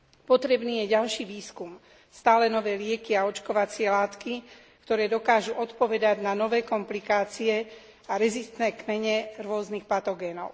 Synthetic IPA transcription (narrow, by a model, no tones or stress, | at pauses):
pɔt̪ɾɛbniːjɛɟalʃiːʋiːskum | st̪aːlɛnɔʋɛːlɪɛkiaɔt͡ʃkɔʋat͡sɪɛlaːt̪ki | kt̪ɔɾɛːd̪ɔkaːʒuʔɔt̪pɔʋɛd̪aɟnanɔʋɛːkɔmplikaːt͡siɛ | aɾɛzist̪nɛːkmɛɲɛɾʊɔznixpat̪ɔɡɛːnɔʊ